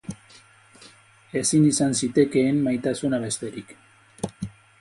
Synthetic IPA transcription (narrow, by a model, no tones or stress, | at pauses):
e̞sinisansit̪e̞ke̞ːmmajt̪asunaβe̞st̪e̞ɾik